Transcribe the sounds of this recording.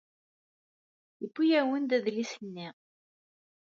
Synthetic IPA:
jəbːujæwənd̪æðlisənːi

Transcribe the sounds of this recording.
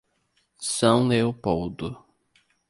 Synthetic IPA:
sɐ̃w̃leopowd̪ʊ

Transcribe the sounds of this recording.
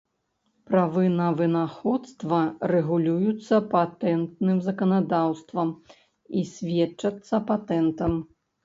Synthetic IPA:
pɾavɨnɐvɨnaxɔt̪st̪vɐrɛɣulʲujut̪sːɐpat̪ɛnt̪nɨmzɐkɐnad̪awst̪vɐm | isʲvʲɛt͡ʂːɐt̪sːɐpat̪ɛnt̪ɐm

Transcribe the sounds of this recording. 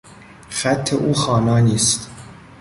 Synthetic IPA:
xæt̪ʰːeʔuːxɒːnɒːniːst̪

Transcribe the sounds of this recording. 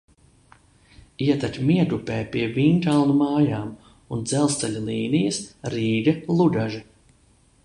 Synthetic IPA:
iɛt̪at̪ʲmiɛd̪upɛːpiɛviːnt̪alˠnumaːjaːm | und̪zɛlˠst̪aʎʲalˠiːnijɐsɾiːɡɐlˠud̪aʒɛ

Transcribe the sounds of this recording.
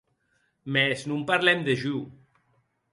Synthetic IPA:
mɛznumpaɾlɛmd̪eʒu

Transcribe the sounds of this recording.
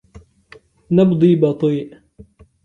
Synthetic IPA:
nɑbd̪ˤiːbɑt̪ˤiːʔ

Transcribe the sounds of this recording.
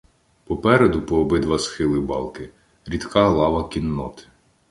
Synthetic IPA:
pɔpɛɾed̪ʊpɔːbɪd̪ʋɐsxɪlˠɪbɑ̰lˠkɪ | ɾʲid̪kɑlˠɑʋɐkʲinːɔ̰t̪ɪ̥

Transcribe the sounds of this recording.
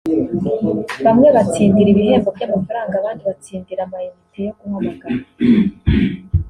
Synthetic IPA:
βamŋe̞βat͡siːndiɾiβihe̞ɡo̞vɟamafaɾaːŋɡaːβaːndiβat͡siːndiɾamajimitʰejokumamaɡ̥aβa

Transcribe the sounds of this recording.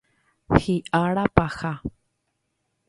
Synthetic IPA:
xiʔaɺapaxa

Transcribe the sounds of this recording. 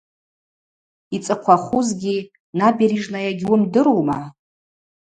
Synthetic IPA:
it͡sʼɨqʷʰaχuzɡʲi | nabiɾiʐnajaɡʲwʊmdɨɾowma

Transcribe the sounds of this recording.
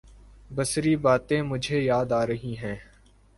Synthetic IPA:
bɐsɾibaːt̪ẽmʊd͡ʒʱejaːd̪aːɾɐɦiɦɛ̃ː

